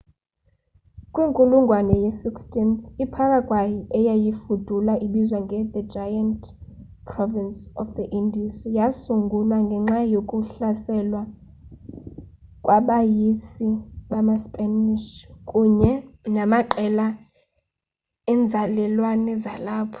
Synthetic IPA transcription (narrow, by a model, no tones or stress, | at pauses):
kʼwiŋkʼuluŋɡʱwanɛjɛsikstʰʼinθipʰakʼakʼwajiɛjajifud̥ʱulaʔiɓizwaŋɡʱɛðəd͡ʒʱajantʰʼ | pʰrɔvinsɔfd̪əʔindisijasuŋɡʱulwaŋɡʱɛŋ͡ǁajokʼuɬasɛlwa | kʼwaɓajisiɓamaspʼɛniʃkʼuɲɛnamaǃɛla | ɛnd͡zʱalɛlwanɛzalaːpʰɔ̥